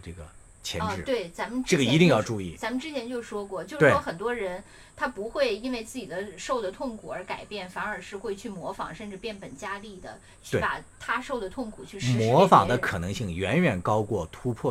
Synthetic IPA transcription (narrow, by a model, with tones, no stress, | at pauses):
ʈ͡ʂɤ˥˩ɡə˩ | t͡ɕʰjɛ˧˥nʈ͡ʂɻ̩˥˧˩t̪we˥˩ɪt͡sa˧˥mə˨nʈ͡ʂʈ͡ʂɤ˥˩ɡə˩i˧˥t̪i˥˧ŋjɑ˥˧ʊʈ͡ʂu˥˧i˥˩t͡sa˧˥mə˧nʈ͡ʂɻ̩˥t͡ɕʰjɛ˧˥nt͡ɕjo˥˧ʊʂwɔ˥kwɔ˥˩t͡ɕjo˥˧ʊʂwe˥˩ʂwɔ˥xə˨˩nt̪̬wɔ˥ɻə˧˥n | t̪ʰa˥pu˧˥xwe˥˧˩ɪi˥nwe˥˧ɪt͡sɹ̩˥˩t͡ɕi˨˩d̪ə˦ʂo˥˩ʊd̪ə˩t̪ʰʊ˥˩ŋkʰu˨˩ə˞˧˥ka˨˩ɪpjɛ˥˩nfa˧˥nə˞˧˥ʂɻ̩˥˧xwe˥˧ɪt͡ɕʰy˥˩mwɔ˧˥fɑ˨˩ŋʂə˥˧nʈ͡ʂɻ̩˥˧pjɛ˥˩npə˨˩nt͡ɕja˥li˥˩d̪ə̰˩ | t͡ɕʰe˥˩pa̰˨˩t̪ʰa˥ʂo˥˩ʊd̪ə˩t̪ʰʊ˥˩ŋkʰu˨˩t͡ɕʰy˥˧ʂɻ̩˥mwɔ˧˥fɑ˨˩ŋd̪ə˦kʰɤ˨˩nɤ˧˥ŋɕi˥˩ŋɥɛ˧˥nɥɛ˨˩nkɑ˥ʊkwɔ˥˩t̪ʰu˥pʰwɔ˥˩